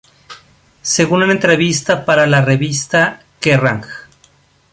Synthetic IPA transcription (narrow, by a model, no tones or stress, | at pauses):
se̞ɣununent̪ɾe̞βist̪apaɾalare̞βist̪a | kera̰ŋx